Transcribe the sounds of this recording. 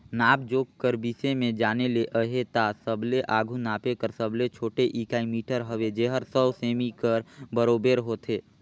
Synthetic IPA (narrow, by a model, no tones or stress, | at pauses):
naːb̚d͡ʒoːkkəɾbisemẽd͡ʒaːneleʔəɦet̪asəbleʔaːɡʱunaːpekəɾsəblet͡ʃʰoːʈeʔikaːimiːʈəɾɦəʋed͡ʒeɦəɾsəwseːmikəɾbəɾoːbeːɾɦoːt̪ʰeː